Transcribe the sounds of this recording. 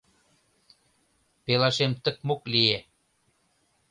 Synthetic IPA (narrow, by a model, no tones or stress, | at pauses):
pelɑʃemt̪ə̆k̚moklie